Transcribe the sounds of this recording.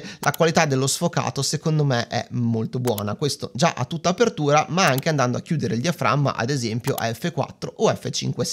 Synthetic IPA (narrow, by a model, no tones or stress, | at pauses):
lʔakwalit̪ad̪ːelːosfoka̰ːt̪osekond̪omeʔɛ̰molt̪obwɔ̰ːnakwest̪od͡ʒaʔat̪ːut̪ːaːpert̪uːɾamaaŋk̟eand̪and̪oak̟juːd̪eɾeʎːiafɾa̰mːa̰ʔa̰d̪ezɛmpjo̰ʔɛfːekwa̰t̪ːɾoʔoɛfːet͡ʃḭŋkwe